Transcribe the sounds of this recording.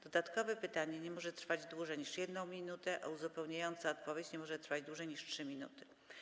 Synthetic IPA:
d̪̥ɔd̪at̪kɔvɛpɘt̪aɲɛɲɛmɔʐɛt̪ɾfad͡ʑd̪wuʐɛɲiʂjɛd̪nɔ̃w̃mʲinut̪ɛʔauzupɛwɲajɔnt̪saɔt̪pɔvʲjet͡ɕɲɛmɔʐɛt̪ɾfad͡ʑd̪wuʐɛjɲiʂtʂɘmʲinṵt̪ɘ̥

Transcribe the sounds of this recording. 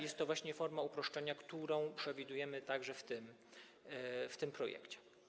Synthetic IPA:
jɛst̪ːɔvwaɕɲɛfɔɾmaupɾɔʂt͡ʂɛɲakt̪uɾɔ̃w̃pʂɛvʲid̪ujɛmɘt̪aɡʐɛft̪ɘm | ft̪ɘmpɾɔjɛ̰kt͡ɕɛ̥

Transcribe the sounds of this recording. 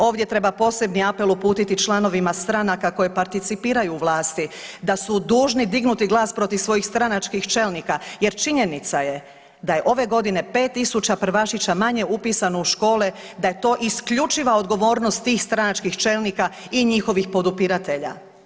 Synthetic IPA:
o̞ːʋd̪je̞t̪ɾe̞bapo̞ːse̞bniape̞lupuːt̪it̪it͡ʃlˠano̞ʋimast̪ɾanakako̞jepaɾt̪it̪sipiːɾajuːʋlˠaːst̪id̪asud̪uːʒnid̪iɡnut̪iɡlˠaːspɾo̞t̪iʋsʋo̞jixst̪ɾanat͡ʃkixt͡ʃe̞lnikaje̞ɾt͡ʃiɲe̞nit̪saje̞ | d̪aje̞ʔo̞ʋe̞ɡo̞d̪ine̞pe̞ːt̪ːisut͡ɕapɾ̩ʋaʃit͡ɕamaɲe̞upiːsanouʃko̞ːlɛ | d̪aje̞t̪o̞ːʔiskʎut͡ʃiʋao̞d̪ɡo̞ʋo̞ːɾno̞st̪ːiːxst̪ɾanat͡ʃkixt͡ʃe̞lnika | iɲixo̞ʋixpo̞d̪upiɾat̪e̞ʎa̰

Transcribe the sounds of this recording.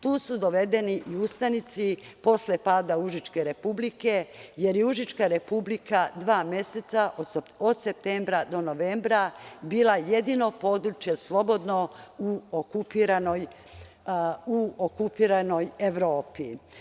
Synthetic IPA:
t̪uːsud̪o̞ʋe̞d̪e̞niʔiust̪anit̪sipo̞sle̞paːd̪auʒit͡ʃke̞ɾe̞publike̞je̞ɾjeuʒit͡ʃkaɾe̞publikad̪ʋaːmje̞se̞t̪saʔood̪sep̚t̪eːmbɾad̪o̞no̞ʋeːmbɾabiːlaje̞d̪ino̞po̞d̪ɾut͡ʃje̞slˠo̞bo̞d̪no̞uokupiɾanoj | uokupiːɾano̞je̞ʋɾo̞ːpi

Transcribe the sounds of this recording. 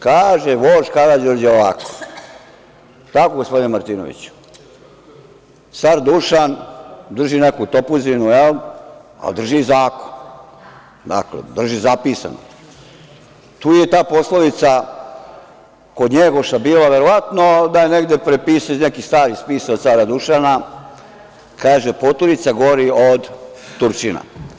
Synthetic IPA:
kaːʒeʋoːʒkad̪ad͡ʑoɾd͡ʑɛoʋako̥ | t̪akoɡospo̞d̪inmaɾt̪inoʋḭt͡ɕu̥ | saɾd̪uʃand̪r̩ʒinekut̪opuzinujela̰d̪r̩ʒizaːko̥n | d̪a̰klḛd̪r̩ʒizapiːsa̰no̰ | t̪uːjet̪aːpo̞sloʋit̪sa | kod̪ɲeɡoʃabiːlaʋeɾoʋat̪nod̪ajeneɡd̪epɾepiːsanekist̪aːɾispiːsaot̪saːɾad̪uʃana | kaːʒepot̪oɾit̪saɡoɾiod̪t̪uɾt͡ʃina̰

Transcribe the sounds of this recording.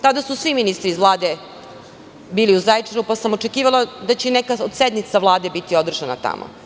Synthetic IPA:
t̪ad̪asusʋiminist̪ɾizʋlˠaːd̪e | biːliuzajt͡ʂenupasamot͡ʃe̞kiːʋalˠad̪at͡ɕenekaod̪sed̪mit̪saʋlˠaːd̪e̞bit̪io̞d̪r̩ʒana̰t̪a̰mʔo̰

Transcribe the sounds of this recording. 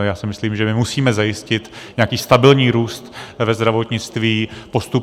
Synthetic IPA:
jaːsɪmɪsliːmʒɛmɪmusiːmɛzajɪscɪt̪ɲɛakiːst̪abɪlɲiːɾuːst̪vɛzd̪ɾavo̞t̪ɲɪt͡st̪viːpo̞st̪u

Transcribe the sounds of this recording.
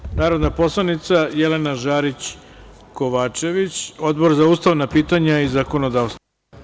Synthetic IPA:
naːɾo̞d̪napo̞slˠanit̪sajelenaʒaːɾit͡ɕko̞ʋaːt͡ʃe̞ʋit͡ɕo̞d̪bo̞ɾzauːst̪aʋnapiːt̪aɲaizako̞nod̪aːʋst̪

